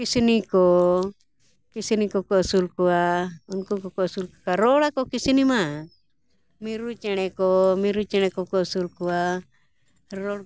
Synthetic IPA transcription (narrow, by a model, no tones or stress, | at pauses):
kisinikɔ | kisinikɔkɔsulkuaunkukɔkɔsulku̥kaɾɔlakɔkisinima | miɾut͡ʃɛnɛkɔmiɾut͡ʃɛñɛkɔkɔsulkua | ɾɔ